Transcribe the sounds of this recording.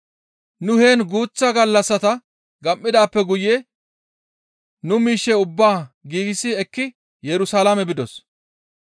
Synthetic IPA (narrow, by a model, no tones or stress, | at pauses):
nʊheːnɡuːt͡sːɐɡɐlːɐsːɐt̪ɐ | ɡɐmːɪd̪aːpːɛɡʊje | nʊmiːʃːɛʊbːaːɡiːɡɪsːɪɛkːɪ | jɛɾʊsalamɛbɪd̪ɔs